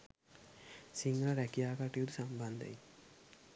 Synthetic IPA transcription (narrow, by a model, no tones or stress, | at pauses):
siŋɡɐlɐɾɛkijaːkaʈijud̪usamband̪ɐ̰j